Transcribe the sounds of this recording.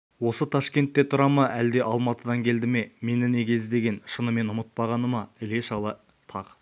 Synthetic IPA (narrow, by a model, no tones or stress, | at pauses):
wo̞sət̪ʰɑʃkʲe̞nt̪ːe̞t̪ʰʊɾɑmɑʔæld̪e̞ʔɑlˠmɑt̪əd̪ɑŋkʲʰe̞ld̪ɪme̞me̞nɪnekʲʰe̞zd̪e̞ɡʲe̞nʃənəme̞nʊmət̪̚pɑʁɑnəmɑɪle̞ʃɑlˠə | t̪ʰɑq